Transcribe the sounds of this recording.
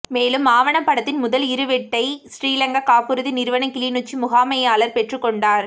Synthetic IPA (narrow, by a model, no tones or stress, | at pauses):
meːlɯmaːʋɐɳɐmpɐɽɐt̪ːɪnmʊðɐlɪɾɯʋɛʈːɐɪsɾiːlɐŋɡɐkaːpːɯɾɯðinɪɾɯʋɐɳɐkɪliːnut͡ʃːimʊɣaːmɐjaːlɐɾpɛʈrɯkːɔɳɖaːɾ